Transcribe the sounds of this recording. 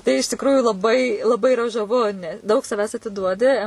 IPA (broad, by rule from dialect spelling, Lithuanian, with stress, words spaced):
tɐɪ ɪʃ tʲɪkˈruːjuː lˠɐˈbɐɪ lˠɐˈbɐɪ ɪˈrɐ ʒɐˈʋʊ nʲɛ ˈdɐʊk sɐˈʋʲæːs ɐtʲɪˈduɔdʲɪ